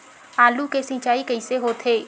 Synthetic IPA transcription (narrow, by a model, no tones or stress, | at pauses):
aːlukesɪ̃ːt͡ʃaːikəiseɦoːt̪ʰeː